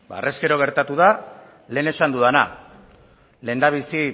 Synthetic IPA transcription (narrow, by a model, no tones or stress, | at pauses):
ba̰rʔe̞ske̞ɾo̞ɣ̞e̞ɾt̪at̪uða | le̞ːne̞sand̪uðana̰ | le̞ːnd̪aβ̞isi